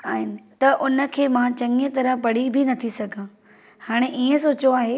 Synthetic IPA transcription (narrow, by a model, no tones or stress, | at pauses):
aːɦɪnɪ̆t̪ɐʔʊnə̆kʰeːmãt͡ɕɐ̃ŋət̪ɐɾəɦpɐɽ̤ibʱɪnɐt̪ʰisɐɡʱã | haːɽ̃eʔiːə̃soːt͡ɕoaːɦe